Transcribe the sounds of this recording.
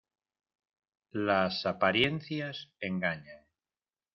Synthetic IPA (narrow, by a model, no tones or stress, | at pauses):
lasapaɾjenθjaseŋɡaɲaŋ